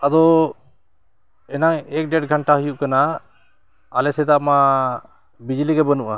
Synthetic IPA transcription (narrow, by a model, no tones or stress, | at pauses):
ad̪ɔ | ɛnaŋɛk̚ɖɛʈɡʱəɳʈaɦujuʔkana | lɛsɛd̪ama | bid͡ʒliɡɛbənuʔa